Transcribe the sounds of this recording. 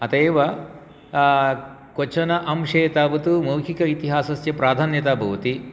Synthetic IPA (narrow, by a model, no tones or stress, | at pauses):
ɐt̪eːʋɐ | kot͡ʃɐnɐʔɐmʃeːt̪aːbɐt̪umuːkʰikɐit̪iɦaːsɐsjɐpɾaːd̪ʱaːnjɐt̪aːbʱɐʋɐt̪i